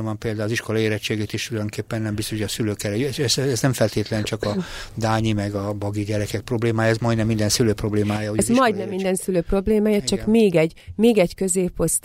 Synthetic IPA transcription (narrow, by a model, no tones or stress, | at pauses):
vɒmpeːld̪aːziʃko̞lɒeːɾɛt͡ʃːeːɡeːt̪eːʃt̪ulɒjoŋkeːpːɛnːɛmbist̪oʃʰhojɒsyløːkɛɾɛjyɛɛzɛznɛmfɛlt̪eːt̪lɛnt͡ʃɒkɒd̪aːɲimɛɡɒbɒɡiɟɛɾɛkɛk̚pro̞bleːmaːjɛzmɒjd̪nɛmːind̪ɛnsyløːpro̞bleːmaːjɒozmɒjd̪nɛmːind̪ɛnsyløːpro̞bleːmaːjɒt͡ʃɒkmeːɡɛɟmeːɡɛɟkøzeːpo̞st̪